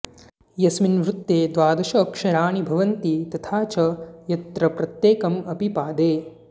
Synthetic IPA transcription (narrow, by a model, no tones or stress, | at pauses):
jɐsminʋɾut̪ːeːd̪ʋaːd̪ɐʃɐːkʃɐɾaːɳibʱɐʋɐnt̪it̪ɐt̪ʰaːt͡ʃɐjɐt̪ɾɐpɾɐt̪jeːkɐmɐpipaːd̪eː